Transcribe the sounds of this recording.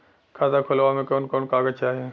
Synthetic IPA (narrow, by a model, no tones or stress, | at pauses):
kʰaːzakʰʊlʋaːmẽkoːnkoːnkaːɡət͡ʃaːɦe